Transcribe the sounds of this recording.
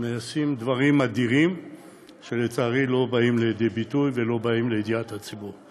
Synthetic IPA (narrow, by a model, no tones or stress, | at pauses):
measimd̪vaʁimːad̪iʁim | ʃe̞let͡saːʁilo̞baimlejed̪ebit̪ujve̞lo̞baimlejd̪iat̪hat͡sibuʁ